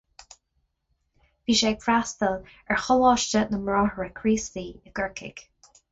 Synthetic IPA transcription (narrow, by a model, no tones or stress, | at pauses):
viːʃeːpɹast̪əl | ɛɹxɔlɔːʃt͡ʃənəmɹɔːhəɹəkʰɹiːstiːəɡ̥əɹkʰɪ̰ɡ̥